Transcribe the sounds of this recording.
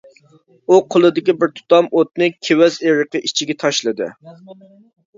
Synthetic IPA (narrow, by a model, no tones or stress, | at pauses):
uqʰəlˠɨd̪ɪkʲibɪɾt̪ʰʊ̥t̪ɑmot̪̚nɨkʲʰewɛzeɾəqəʔit͡ʃʰiɡʲɛt̪ʰɑʃlˠɨd̪ɨ̰